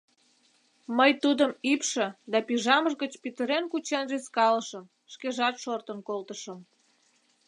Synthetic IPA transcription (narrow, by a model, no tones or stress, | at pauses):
məjt̪ud̪əmipʃə̆d̪ɑpiʒɑməʒɣət͡ɕpit̪əɾenkut͡ɕenʒeskɑləʃəm | ʃkeʒɑt̪ʃort̪ənkolt̪əʃəm